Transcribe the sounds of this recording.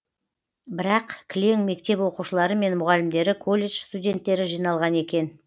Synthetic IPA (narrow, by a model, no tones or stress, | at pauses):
bɪɾɑqkʲʰlʲeŋme̞kt̪e̞pwo̞quʃəlˠɑɾəme̞nmʊʁɑlɪmd̪e̞ɾɪkʰo̞lʲːe̞ʃst̪udʲe̞nt̪ːe̞ɾɪʒijnɑlˠʁɑne̞kʲe̞n